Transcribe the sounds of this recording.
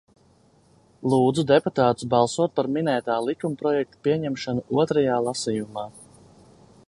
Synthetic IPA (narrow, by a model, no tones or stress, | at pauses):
lˠuːd̪zud̪eput̪aːt̪u̥sbɑlˠsuɔt̪̚paɾminɛjt̪aːlˠikumpɾɔjɛk̚t̪u̥piɛɲɛmʃanuʔuɔt̪ɾajaːlˠasiːjumaː